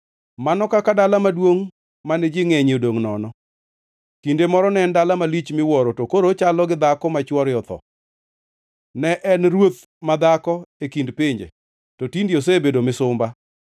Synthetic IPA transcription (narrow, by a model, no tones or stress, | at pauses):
manɔkakadalamadwoŋ | manɛd͡ʒiŋeɲodoŋnɔnɔ | kindemɔɾɔnɛndalamalit͡ʃmɪwɔɾɔtokoɾot͡ʃalɔɡɪd̪akɔmat͡ʃwɔɾjɔt̪ɔ̰ | nɛʔɛnɾwot̪̚ | mad̪akɔekindpiɲd͡ʒḛ | tɔtindios̬ebedomɪsʊmba